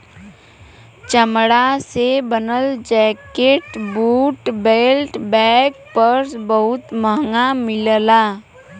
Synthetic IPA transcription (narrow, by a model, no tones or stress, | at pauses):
t͡ʃəmɽasebənəld͡ʒɛːkeːʈbuːʈbeːlʈbɛːk̚pəɾsbəɦʊt̪məɦŋɡamɪllaː